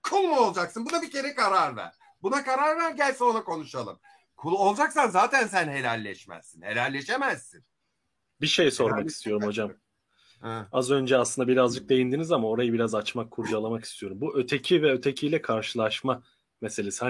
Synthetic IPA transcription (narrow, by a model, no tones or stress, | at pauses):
kʰulˠmuo̞lˠd͡ʒaksɯnbud̪abicʲe̞ɾɛkʰaɾaɾvæ̰ɾ̥ | bunakaɾaɾvæɾɟælʲsonakʰo̞nuʃalˠɯm | kʰulˠo̞lˠd͡ʒaksanzaːt̪ʰæns̬ænɦe̞lʲælʲːɛʃmæ̰z̥sinhe̞lʲælʲlːʲe̞ʃe̞mæzːin | biʃe̞jso̞ɾmaki̥st̪ʰijo̞ɾumho̞d͡ʒam | ɛazø̞nd͡ʒɛaslˠɯnd̪abiɾazd͡ʒɯk̚d̪e̞jind̪inizamao̞ɾajɯbiɾazat͡ʃmakʰːuɾd͡ʒalˠamaki̥st̪ʰijo̞ɾumbuʔøt̪ʰe̞cʰivɛøt̪ʰecʰijlʲɛkʰaɾʃɯlˠaʃma | mese̞lʲesiha